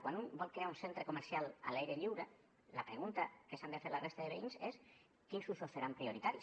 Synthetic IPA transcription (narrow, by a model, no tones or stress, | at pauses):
kwanumbɔlkɾeaunsent̪ɾekomeɾsiala̰lajɾeʎiwɾa | lapɾeɣ̞unt̪akesanefeɾlarest̪aðeβeiɲses | kinsusoθeɾampɾioɾit̪aɾis